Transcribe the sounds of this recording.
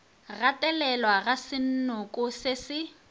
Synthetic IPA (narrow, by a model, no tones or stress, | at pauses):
ɣatʼɛlɛlwaɣasɪn̩nʊkʼʊsɪsɪ